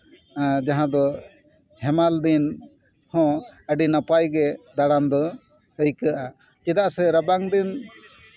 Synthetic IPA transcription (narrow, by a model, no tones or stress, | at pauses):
d͡ʒaɦãd̪ɔ | hɛmald̪in | hɔ̃əɖinapajɡɛd̪aɽand̪ɔ | əjkəʔa | t͡ʃɛd̪aʔsɛɾabaŋd̪in